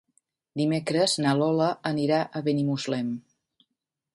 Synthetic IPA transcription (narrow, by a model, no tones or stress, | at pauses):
d̪imekɾəznalɔləəniɾaʔəβenimuzlɛm